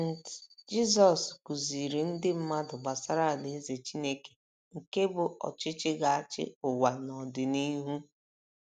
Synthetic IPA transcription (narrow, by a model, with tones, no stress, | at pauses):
n̩˨td͡ʒi˦zɔ˨sku˨zi˨ɾi˨n̩˦dɪ˦m̩˦ma˦dʊ˨ɡ͡ba˨sa˦ɾa˦˨ne˨e˦ze˨t͡ʃi˦ne˦ke̥˨ | ŋ̩˨ke˦bʊ˨ʔɔ̰˨t͡ʃɪ˦t͡ʃɪ˦ɡa˨a˨t͡ʃɪ̰˦ʊ˨wʷa˨nɔ˨dɪ˨ni˦ɦu˦